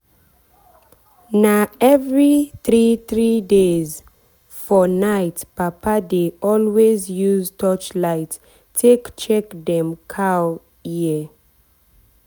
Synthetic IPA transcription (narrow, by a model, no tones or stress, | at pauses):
naɛvɹiθɹiθɹidez | fɔnaɪtpapʰadeʔɔlwezjuztʰɔt͡ʃlaɪt | tʰekt͡ʃɛkdɛ̃mkʰa | ji